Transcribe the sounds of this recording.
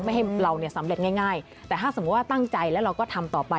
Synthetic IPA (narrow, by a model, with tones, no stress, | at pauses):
ma˥˩jɦa˥˩jɾa˧wni˥˩ɐsa˩˦mɾe˨˩t̪̚ŋaː˥˩jŋaː˥˩j | t̪ɛː˨˩t̪aː˥˩so˩˦mu˦˥t̪̚waː˥˩t̪a˥˩ŋt͡ɕa˧jlɛː˦˥wɾa˧wkɔː˥˩t̪ʰa˧mt̪ɔː˨˩pa˧